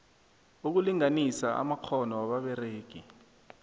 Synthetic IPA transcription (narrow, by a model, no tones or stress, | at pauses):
uk̬uliŋanisaʔa̰makʰɔnɔwaɓaɓɛreːɡ̥ʱi